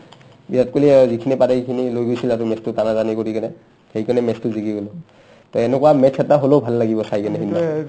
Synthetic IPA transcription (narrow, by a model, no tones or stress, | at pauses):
biat̚kolizikʰinipatakʰinilojɡojsilatʊmɛstʊtanazanikoɹikanɛ | xeɹikanɛmɛstʊziɡiɡɔlɔ | tɔɛnɛkuwamɛtʰːɛtːaɦolobʱalːaɡibɔsajkanɛɦina